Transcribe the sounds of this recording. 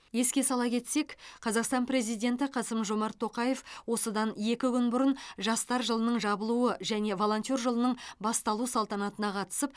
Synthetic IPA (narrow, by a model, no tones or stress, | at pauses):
je̞skʲe̞sɑlˠɑkʲʰe̞t̪se̞kʲqʰɑzɑqst̪ɑnpɾe̞zijd̪ʲe̞nt̪ɪqʰɑsəmʒo̞mɑɾt̪ʰːo̞qɑje̞fwo̞səd̪ɑnje̞kʲɪkʲʰʏnbʊɾənʒɑst̪ɑɾʒəlˠənəɴʒɑbəlˠuəʒæne̞vo̞lˠo̞nt̪ʲjo̞rʒəlˠənəɴbɑst̪ɑlˠusɑlˠt̪ɑnɑt̪ənɑqʰɑt̪ə̥səp̚